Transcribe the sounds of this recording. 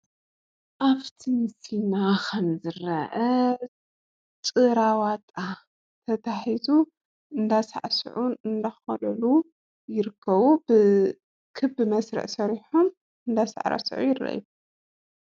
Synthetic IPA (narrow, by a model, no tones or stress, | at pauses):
ʔaβt̪ʰimɨsinakʰɐmzɨɾɐʔɐ | t͡sʼɨɾawat̪ʼa | t̪ʰɐt̪ʰaħizu | ɨnd̪asa̰ʕsʕuɨnd̪axɐlɐlu | jɪɾɨkʰːɐβubɨ | kʰɨbɨmɐsɾɐ̰ʕsɐɾiħum | ɨnd̪asa̰ʕɾɐ̰sʕṵjɪrɐ̰ʔju